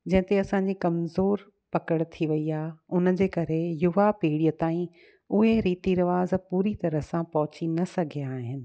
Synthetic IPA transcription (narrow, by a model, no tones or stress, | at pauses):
d͡ʑɐ̃ɦɪ̃t̪eɐsãːɲd͡ʑikɐmzoːɾ | pɐkəɽ̃t̪ʰiʋɐiaːʊnə̆d͡ʑeːkɐɾejʊʋapiːɽiːət̪aːĩ | ʊɦeɾiːt̪iɾɐʋaːzpuːɾit̪ɐɾəɦsãpɐɦʊt͡ɕinɐsɐɡʱijaːɦɪnɪ̆